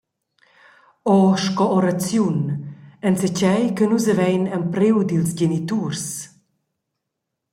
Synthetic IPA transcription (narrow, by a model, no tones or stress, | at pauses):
ɔʃkɔɔɾat͡sjunənsət͡ɕɛjkənuzəvɛjnəmpɾiwdilsɟenit̪urs